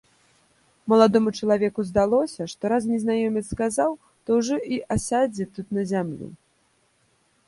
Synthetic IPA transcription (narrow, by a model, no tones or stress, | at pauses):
mɐlˠad̪ɔmut͡ʂɐlˠavʲɛkuzd̪alˠɔsʲɐʂt̪ɔɾaznʲɛznajɔmʲit̪skazaw | t̪ɔwʐɔʔiʔasʲad͡zʲit̪ut̪nɐzʲamlʲḭ